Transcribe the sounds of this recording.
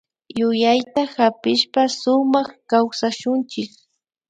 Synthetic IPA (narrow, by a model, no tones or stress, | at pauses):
jʊjajt̪ahapɪʃpasʊmɑχkawsaʃʊnt͡ʃɪk̚